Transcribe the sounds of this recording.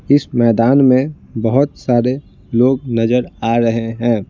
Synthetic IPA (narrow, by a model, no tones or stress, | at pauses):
ɪsmɛːd̪aːnmẽ | bəɦʊt̪saːɾe | loːɡ̚nɐzəɾaːɾɐɦeɦɛ̃ː